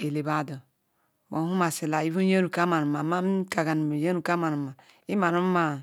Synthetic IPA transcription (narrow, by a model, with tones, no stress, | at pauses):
e˨le˨ba˨do˨ | wa˨˦hu˦ma˨se˨la˨i˦vu˦je˦ɾu˨ka˦ma˨nu˨ma˨ma˦m˦ka˨ɡa˨n˨m˨je˦nu˨ka˦ma˨nu˨ma˨ | i˦ma˨nu˦ma˨